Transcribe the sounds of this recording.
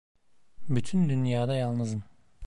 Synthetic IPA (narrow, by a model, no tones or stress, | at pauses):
byt̪ʰynd̪ynjaːd̪ajalˠnɯzɯm